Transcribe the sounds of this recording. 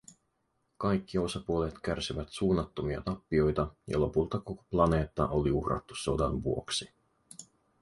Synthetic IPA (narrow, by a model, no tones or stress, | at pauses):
kɑjkːio̞sɑpuo̞let̪kærsiʋæt̪suːnːɑt̪ːo̞miɑ̰t̪ɑpːio̞jt̪ɑjɑ̰lo̞pult̪ɑko̞ko̥plɑne̞ːt̪ːɑ̰ʔo̞liuhrɑ̰t̪ːu̥so̞dɑnʋuoksi